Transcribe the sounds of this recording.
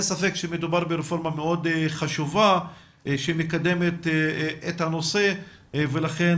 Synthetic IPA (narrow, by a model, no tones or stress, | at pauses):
safe̞kʃemed̪ubaʁbeɾefo̞ʁmameo̞d̪χaʃuva | ʃemekad̪e̞met̪et̪hano̞se̞ | velaχen